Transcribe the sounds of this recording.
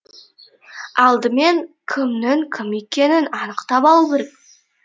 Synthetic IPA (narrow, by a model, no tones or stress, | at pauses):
ɑlˠd̪əme̞ŋkʲʰɪmnɪŋkʲʰɪmekʲe̞nɪnɑnəqt̪ɑpɑlˠukʲeɾek̚